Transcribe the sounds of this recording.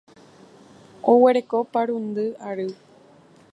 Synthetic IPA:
owe̞ɾe̞ko̞paɾund̪ɨaɾɨ

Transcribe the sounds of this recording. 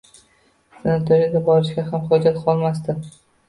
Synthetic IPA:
sanat̪ʰoɾɪd̪abɒɾɪʃɡʲaɦamχʊd͡ʒat̪qʰɒlˠmas̬t̪ɪ

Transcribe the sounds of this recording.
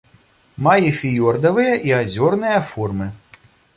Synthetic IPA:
majɛfʲijɔrd̪ɐvɨjɐʔiazʲɔrnɨjɐfɔrmɨ

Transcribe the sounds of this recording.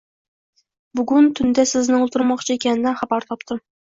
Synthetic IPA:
bʊɡʲynt̪ʰynd̪ɛsɪznɪŋolˠt̪ʰʊɾmɑχt͡ʃʰiekʲɛnɪnɛχɑbɑɾt̪ʰɑpt̪ʰɨ

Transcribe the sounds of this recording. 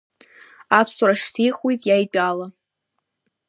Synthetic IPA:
apʰsuɾaʂtʰijχwejtʼjajpʼala

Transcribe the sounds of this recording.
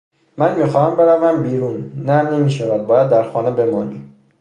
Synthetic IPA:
mænmiːxɒːhæmbe̞ɾævæmbiːɾunːæne̞miːʃævæd̪̚bɒːjæd̪ːæɾxɒːnebe̞mɒːnim

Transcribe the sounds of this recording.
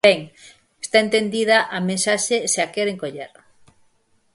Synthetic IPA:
eŋ | est̪aent̪end̪iðɐʔamẽnsaʃeseakeɾeŋkoʎeɾ

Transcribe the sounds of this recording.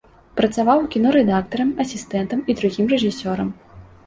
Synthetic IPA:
pɾɐt̪savawkʲinɔɾɛd̪akt̪ɐɾɐmɐsʲist̪ɛnt̪ɐmid̪ɾuɣʲimrɛʐɨsʲɔɾɐm

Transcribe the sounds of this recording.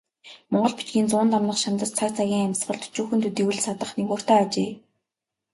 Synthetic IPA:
mɔɴɢɞ̆ɮpit͡ɕɡʲiːnt͡sʊːnt̪amnə̆χʃant̪ə̆st͡sʰart͡sʰaɣʲiːŋamʲsɢə̆ɮt̪ʰu̥t͡ɕuːxɵ̆nt̪ʰut̪iwɘ̆ɮsat̪ə̆χnekoːr̥t̪aːt͡ɕeː

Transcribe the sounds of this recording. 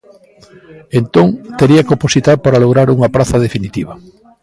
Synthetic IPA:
ent̪oŋt̪eɾiɐkoposit̪aɾpaɾaloɣɾaɾuŋɐpɾaθɐðefinit̪iβ̞ɐ

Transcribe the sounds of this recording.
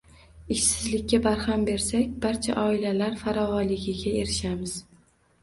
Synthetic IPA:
ɪʃsɪzlɪkʲːabaɾhambe̞ɾsakʲbaɾt͡ʃʰa̰ʔɒɪlalaɾfaɾɒvɒlɪɡʲɪɡʲaeɾɪʃamɪz̥

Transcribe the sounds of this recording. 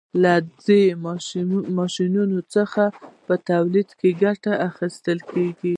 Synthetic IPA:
lad͡ze | mɑʃinunot͡səxapət̪awlid̪keɡaʈaʔaxist̪əlkeɡi

